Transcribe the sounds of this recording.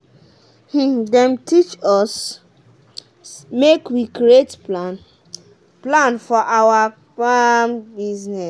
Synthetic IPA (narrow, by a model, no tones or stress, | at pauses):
h̩dɛ̃mtit͡ʃɔs | mekwikɾietplan | plãnfɔʔawapambiznɛ